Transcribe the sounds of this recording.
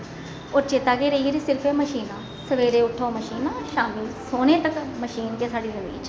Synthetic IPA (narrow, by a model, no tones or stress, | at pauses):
ʊɾt͡ʃeːt̪aːɡeːɾəiɾiːsɪɾpʰeːməʃiːnãː | səʋeːɾeːʊʈʰːoːməʃiːnaːʃaːmilsoːnẽːt̪əkməʃiːnkẽːsaːɖiːzəmḭːt͡ʃ